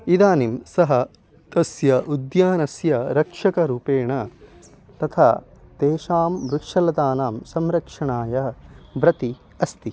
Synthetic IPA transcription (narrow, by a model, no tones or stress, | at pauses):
id̪aːnimsɐɦɐ | t̪ɐsjɐʔud̪jaːnɐsjɐɾɐkʂɐkɐɾuːpeːɳɐ | t̪ɐt̪ʰaːt̪eːʃaːmʋɾukʂɐlɐd̪aːnaːmsɐmɾɐkʂɐɳaːjɐʋɾɐt̪i | ɐst̪i